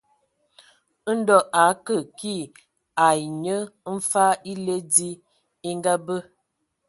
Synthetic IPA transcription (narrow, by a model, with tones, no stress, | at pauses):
n̩˦dɔ˨ʔa˨˦kə˨ki˦˨ | a˨i˨ɲə˦m̩˦fa˦i˦le˦di˦ | i˦ŋ˦ɡa˦bə˦